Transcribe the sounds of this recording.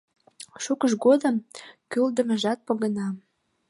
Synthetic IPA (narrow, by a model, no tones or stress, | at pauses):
ʃukəʃɡod̪əmkøld̪ə̆mə̆ʒɑt̪̚pŏɣə̆nɑm